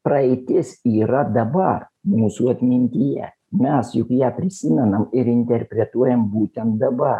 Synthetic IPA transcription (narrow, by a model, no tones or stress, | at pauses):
pɾɐɪt̪ʲɪsiːɾɐd̪ɐbɐrmuːsuːɐt̪ʲmʲɪnʲt̪ʲɪjɛ̰ | mʲɛsjʊkjæːpʲɾʲɪsʲɪmʲɛnɐmɪɾɪnʲt̪ʲɛɾʲpʲɾʲɛt̪uɔjɛmbuːt̪ʲɛnt̪̚d̪ɐbɐr